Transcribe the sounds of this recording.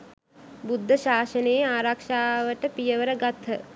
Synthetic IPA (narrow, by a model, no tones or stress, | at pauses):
bud̪ʱːəʃaːʃəneːaːɾakʂaːʋəʈəpijəʋəɾəɡat̪ʰːə